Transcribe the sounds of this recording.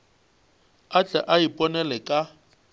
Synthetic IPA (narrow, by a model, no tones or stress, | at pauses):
at͡ɬʼɛʔaipʼɔnɛlɛkʼa